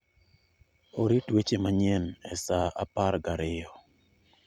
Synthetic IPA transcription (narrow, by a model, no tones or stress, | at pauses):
oɾitwet͡ʃemaɲenɛsaapaɾɡaɾɪjɔ